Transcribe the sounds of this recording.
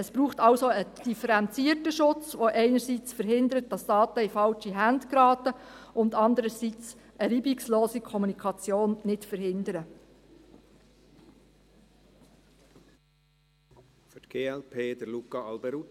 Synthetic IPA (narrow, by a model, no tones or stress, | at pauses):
əsb̥ɾuːχtɑlsoəd̥ifəɾɛnt͡siətəʃʊt͡sʋoʔɛɪnəɾsit͡sfəɾɦɪndəɾət̚d̥ɑsd̥ɑːtəifɑlt͡ʃiɦændɡ̥ɾɑːtəʊndɑndəɾəsit͡s | ʔəɾiːbiksloːsikʰɔmunikʰɑt͡sjoːnnɪtfəɾhɪndəɾə | fʏtɡ̥eːɛlpʰeːd̥əɾlukɑɑlbɛɾu